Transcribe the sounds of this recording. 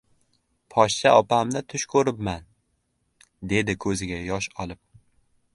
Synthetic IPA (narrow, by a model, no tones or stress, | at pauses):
pʰɒʃt͡ʃʰaɒpamnɪt̪ʰʊʃkʰɵɾɪpman | d̪e̞d̪ɪkʰɵzɪɡʲajɒʃɒlˠɪp̚